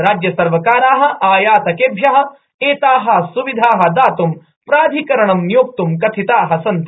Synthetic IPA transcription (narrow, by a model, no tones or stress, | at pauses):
ɾaːd͡ʒjɐsɐɾʋɐkaːɾaːɦɐ̆ʔaːjaːt̪ɐkeːbʱjɐɦɐ̆ | eːt̪aːɦɐsuʋid̪ʱaːɦɐ̆d̪aːt̪um | pɾaːd̪ʱikɐɾɐɳɐmnjoːk̚t̪umkɐt̪ʰit̪aːɦɐsɐnt̪